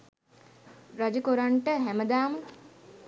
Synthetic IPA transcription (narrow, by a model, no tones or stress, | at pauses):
ɾad͡ʒəkoɾaɳʈəɦæməd̪aːmə